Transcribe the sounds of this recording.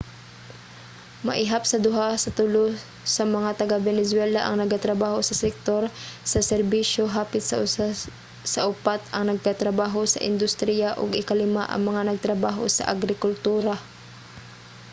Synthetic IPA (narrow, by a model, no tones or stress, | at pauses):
mɐ̰ʔɪɦap̚sɐd̪ʊɦasɐt̪ʊlo | sɐmɐŋat̪ɐɡabɛnɛswɛlaʔɐ̰ŋnɐɡat̪ɾɐbaːho̞sɐsɛk̚t̪o̞ɾsɐsɛɾbiʃo̞ɦaːpɪt̪s | sɐʔʊpat̪ɐŋnɐɡ̚kat̪ɾɐbaːɦo̞sɐ̰ʔɪ̰nd̪ʊst̪ɾijaʔoɡɪkɐlɪma̰ʔɐ̰ŋmɐŋanɐɡ̚t̪ɾɐbaːɦo̰sɐ̰ʔɐɡɾɪkʊlt̪uːɾa